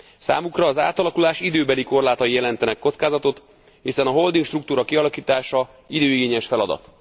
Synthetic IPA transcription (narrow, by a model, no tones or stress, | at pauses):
sa̰ːmukrɒːza̰ːt̪ɒlɒkulaːʃid̪øːbɛliko̞rlaːt̪ɒijɛlɛnt̪ɛnɛkːo̞t̪skaːzɒt̪o̞t̪ | hisɛnɒɦo̞ld̪iŋkʃt̪ruk̚t̪uːɾɒkiɒlɒkiːt̪aːʃɒ | id̪øːiɡeːɲɛʃfɛlɒd̪ɒ̰t̪